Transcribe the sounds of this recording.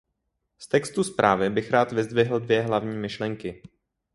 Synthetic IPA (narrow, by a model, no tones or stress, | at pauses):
st̪ɛkst̪uspɾʔaːvɪbɪxɾaːt̪vɪzd̪vɪɦl̩dvjɛɦlavɲiːmɪʃlɛŋkɪ